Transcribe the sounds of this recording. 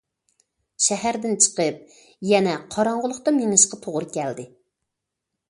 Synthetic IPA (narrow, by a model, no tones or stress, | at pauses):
ʃɛhæɾd̪ɪnt͡ʃʰə̥qəp̚ | jɛnɛqʰɑɾɑɴʁʊlˠʊqt̪ɑmeŋɨʃqɑt̪ʰoʁʊɾɨkʲɛld̪ɪ